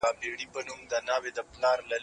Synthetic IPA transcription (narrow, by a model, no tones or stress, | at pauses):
abeɽipənumd̪ənɑwed̪əplɑɾlɐ